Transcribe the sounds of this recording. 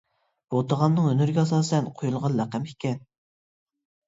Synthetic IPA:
b̥ot̪əʁɑmnɨŋønyɾɪɡʲɛɑsɑːsɛnqʰojulˠʁɑnlæqɛmikʲʰɛn

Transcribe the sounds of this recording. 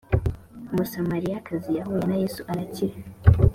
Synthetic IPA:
musamaɾijakazijahujenajesuʔaɾaciɾa

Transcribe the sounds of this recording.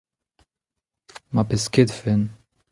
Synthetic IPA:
mapɛsked̪fɛn

